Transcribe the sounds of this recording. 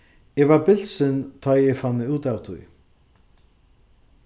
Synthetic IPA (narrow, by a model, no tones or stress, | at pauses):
ɛɣvaɾpɪl̥sɪnt̪ʰɔjɛɣfanːɪuːt̪awt̪ʰṵj